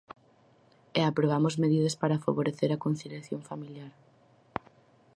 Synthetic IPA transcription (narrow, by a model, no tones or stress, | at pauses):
eapɾoβ̞amʊzmeðiðɐspaɾafa̰βoɾeθeɾɐkon̟θiljaθjoŋfamiljaɾ